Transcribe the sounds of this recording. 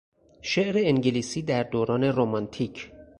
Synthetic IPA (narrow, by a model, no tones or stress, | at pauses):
ʃeʔɾeːŋɟeliːsiːd̪æɾd̪oːɾɒːne̞ɾomɒnt̪ʰiːcʰ